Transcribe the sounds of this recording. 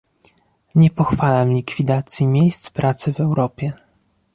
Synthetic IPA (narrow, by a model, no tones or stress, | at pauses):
ɲɛpɔxfalamlʲikfʲid̪at̪sʲjimʲjejst̪spɾat̪sɘvɛwɾɔpʲjɛ